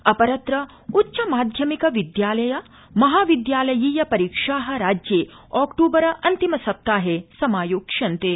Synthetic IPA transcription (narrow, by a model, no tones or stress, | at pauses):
ɐpɐɾɐt̪ɾɐ | utːʃɐmaːd̪ʱjɐmikɐʋid̪jaːlɐjɐ | mɐɦaːʋid̪jaːlɐjiːjɐpɐɾiːkʂaːɦɐ̆ɾaːd͡ʒjeːɔːkʈuːbɐɾɐʔɐnt̪imɐsɐp̚t̪aːɦesɐmaːjoːkʂɐnt̪eː